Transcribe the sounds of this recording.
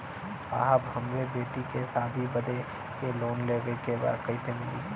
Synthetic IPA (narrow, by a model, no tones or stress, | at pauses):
sa̰ːɦəbʱɐmwebeːʈikesaːd̪ʱibɐd̪e | keloːnleɡəekeba̰ːd̪kɐisemɪliɦ